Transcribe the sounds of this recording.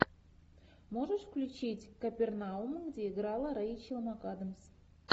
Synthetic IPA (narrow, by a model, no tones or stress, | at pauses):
moʐəʂfklʲut͡ɕitʲkɐpʲernaumɡdʲeiɡɾɑlˠəɾait͡ɕilˠmɑkɑd̪əms